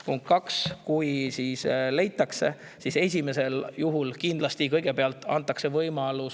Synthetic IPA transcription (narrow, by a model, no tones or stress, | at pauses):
puŋkkːɑkskujsiːsle̞jt̪ːˑɑkse̞̰ | sise̞s̬ʲime̞se̞ljuɦulkind̪̥lɑst̪ikɤjɡ̥e̞peɑlt̪ˑːɑ̰nt̪ːˑɑkse̞vɤjmɑlus